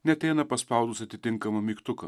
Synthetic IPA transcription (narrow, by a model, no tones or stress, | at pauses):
nʲɛɐt̪ʲɛɪnɐpɐspɑˑʊd̪ʊsɐt̪ʲɪt̪ʲɪŋkɐmɐmʲiːkt̪ʊkɐ